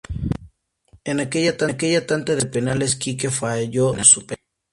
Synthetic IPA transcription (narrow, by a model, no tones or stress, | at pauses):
enakeʎat̪akeʝat̪ant̪aðepenaleskikefaʝosupe